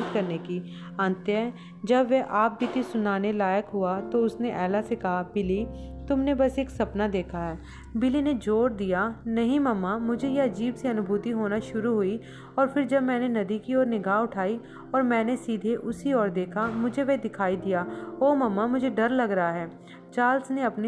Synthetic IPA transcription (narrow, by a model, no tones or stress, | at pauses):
t̪kɐɾneki | ãːnt̪eɦɛː | d͡ʒɐbʋɛʔaːp̚bɪt̪isʊnaːnelaːjəkɦʊat̪oʊsneʔɛːlasekɐɦabɪlit̪ʊmnebɐseːksɐpnad̪eːkʰaɦɛː | bɪlined͡ʒoːɾd̪ijanɐɦĩmɐmːamʊd͡ʒʱejeɐd͡ʒiːbseɐnʊbʱuːt̪iɦoːnaʃʊɾuɦʊi | ɔːɾfɪɾd͡ʒɐbmɛ̃ːnenɐd̪ikiɔːɾnɪɡaːʊʈʰaːi | ɔːɾmɛ̃ːnesiːd̪ʱeʔʊsiɔːɾd̪eːkʰamʊd͡ʒʱeʋed̪ɪkʰaːid̪ijaːoːmɐmːamʊd͡ʒʱeɖɐɾlɐɡɾɐɦaɦɛː | t͡ʃaːlsneɐpne